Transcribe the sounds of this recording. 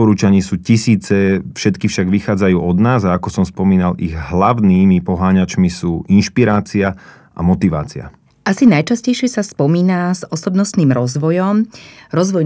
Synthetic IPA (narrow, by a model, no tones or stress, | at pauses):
ɔɾuːt͡ʃaɲiːsuːcisiːt͡sɛfʃɛt̪kifʃaɡʋixaːd͡zajuːɔd̪naːzaakɔsɔmspɔmiːnaliɣɦlaʊniːmipɔɦaːɲat͡ʃmisuːʔinʃpiɾaːt͡sia | ʔa̰mɔt̪iʋa̰ːt͡sia̰ | ʔasinajt͡ʃascɛjʃɪɛsaspɔmiːnazɔsɔbnɔsniːmɾɔzʋɔjɔmɾɔzʋɔj